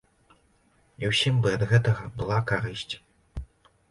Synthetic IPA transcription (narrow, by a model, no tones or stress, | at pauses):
iwsʲimbɨɐd̪ɣɛt̪ɐɣɐbɨlˠakaɾɨsʲt͡sʲ